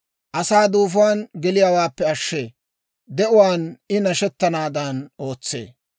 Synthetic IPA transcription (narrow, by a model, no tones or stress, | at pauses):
ʔɐsaːd̪uːf̬aːnɡɛlɪjaːwaːpːɛɐʃːeː | d̪ɛʔʊwaːnɪnɐʃɛt̪ːɐnaːd̪ɐno̞ːt͡sːḛː